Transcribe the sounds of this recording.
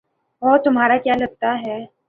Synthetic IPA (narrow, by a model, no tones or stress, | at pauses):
ɔt̪ʊmɦaɾakjalɐɡ̚t̪aɦɛː